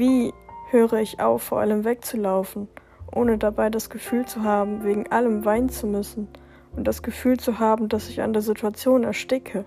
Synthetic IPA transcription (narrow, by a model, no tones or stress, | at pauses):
viːhøːʁəɪçʔa̰ʊfːoːɐʔaləmvɛk̚t͡sulaʊfn̩ | ʔoːnədabaɪdasɡ̥əfyːlt͡suɦaːbm̩veːɡŋ̩ʔaləmvaɪnnt͡sumʏsn̩ | ʔʊntd̥asɡ̥əfyːlt͡suɦaːbm̩dasɪça̰ndeːɐzitʰuat͡sjoːnɛɐʃtɪkʰə